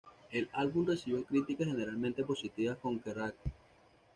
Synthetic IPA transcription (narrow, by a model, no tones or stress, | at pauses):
e̞lalβumre̞siβjo̞kɾit̪ikaxe̞ne̞ɾalmẽnt̪e̞po̞sit̪iβasko̞ŋkerak̚